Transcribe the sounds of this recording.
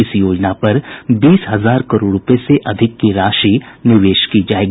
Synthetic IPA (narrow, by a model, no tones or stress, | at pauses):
ɪsjoːd͡ʒnapɐɾbiːsɦɐzaːɾkɐɾoːɽɾʊpeseʔɐd̪ʱɪkːiɾaːʃinɪʋeːʃkid͡ʒaːeːɡ